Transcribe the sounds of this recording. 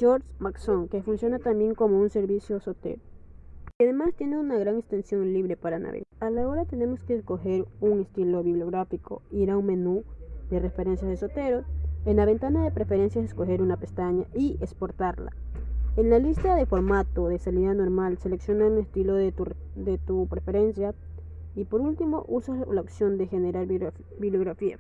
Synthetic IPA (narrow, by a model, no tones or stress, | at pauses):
d͡ʒoɾsmakso̞ŋkefunsjo̞nat̪ambje̞ŋko̞mo̞unse̞ɾβisjo̞sot̪ḛɾokeaðe̞mast̪jeneunaɣɾaŋekst̪e̞nsjo̞nliβɾe̞paɾana̰βḛɣaalao̞ɾat̪ene̞mo̞skeːsko̞xe̞ɾuŋe̞st̪ilo̞βiβljoɣɾafikʰo̞̰iɾauŋme̞nuðerefe̞ɾe̞nsjazðeso̞t̪e̞ɾo̞senlaβe̞nt̪anaðepɾe̞feɾe̞nsjaseskoxeɾunapest̪aɲaʔiespoɾt̪aɾla̰enlalist̪aðefo̞ɾmat̪oðesaniðanoɾmalseleksjonaɾuŋest̪ilo | d̪et̪upɾefe̞ɾensja | ipo̞ɾult̪imo̰ʔusalaopsjo̞nd̪exeneɾaɾ | biβljoɣɾafia̰